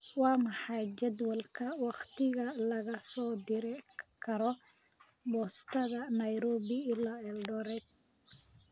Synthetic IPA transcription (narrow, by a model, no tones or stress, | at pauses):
wɑːmɑħɑjt͡ʃɛd̪wɐlkʰɐwɑqt̪ʰɪɣɐlɐɣɐsɔːd̪ɪɾɪkʰɐɾɔ | bɔːst̪ʰɐðɐnɐjɾɔːβɪɪlaːɛlɖɔːɾɛd̪̚